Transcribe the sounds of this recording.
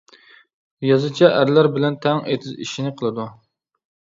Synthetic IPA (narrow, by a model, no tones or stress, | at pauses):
jɑzɨt͡ʃʰɛʔæɾlæɾbɪlɛnt̪ʰɛŋḛt̪ʰɪzḭʃinɪqʰəlˠɨd̪u